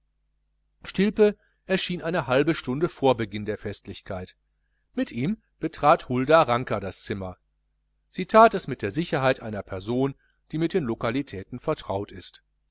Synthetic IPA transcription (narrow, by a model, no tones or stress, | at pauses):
ʃtɪlpə | ʔɛɐʃiːnʔaɪnəhalbəʃtʊndəfoːɐbəɡɪndeːɐfɛstlɪçkʰaɪt | mɪtʔiːm | b̥ətʁ̥aːthʊldaʁaŋkɐdast͡sɪmɐ | z̥iːtʰaːtɛsmɪt̚d̥eːɐzɪçɐɦaɪtʔaɪnɐpʰɛɐzoːn | d̥iːmɪt̚d̥eːnlokalitʰɛːtn̩fɛɐtʁ̥aʊtɪst